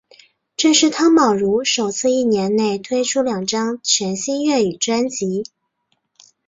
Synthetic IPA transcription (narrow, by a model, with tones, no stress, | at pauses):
ʈ͡ʂɤ˥˧ʂɻ̩˥˩t̪ʰɑ˥ŋmɑ˨˩ʊɻu˧˥ʂo˨˩ʊt͡sʰɹ̩˥˧i˥˩njɛ˧˥nne˥˩ɪt̪ʰwe˥ɪʈ͡ʂʰu˥ljɑ˨˩ŋʈ͡ʂɑ˥ŋt͡ɕʰɥɛ˧˥nɕi˥nɥɛ˥˩y˨˩ʈ͡ʂwa˥nt͡ɕi˧˥